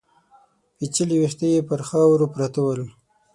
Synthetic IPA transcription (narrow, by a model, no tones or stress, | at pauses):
pit͡ʃiliwixt̪əjepəɾxɑwɾopɾat̪awəl